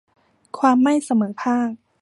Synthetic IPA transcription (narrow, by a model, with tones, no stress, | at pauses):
kʰwaː˧mːa˥˩jsa˧mɤː˩˦pʰaː˥˩k̚